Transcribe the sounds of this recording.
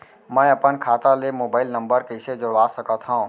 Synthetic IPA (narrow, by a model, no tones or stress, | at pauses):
mɛ̃ːɐpənkʰaːt̪alemoːbaːɪlnɐ̃mbəɾkɛɪsed͡ʒʊɽaːsɐkat̪ʰɦã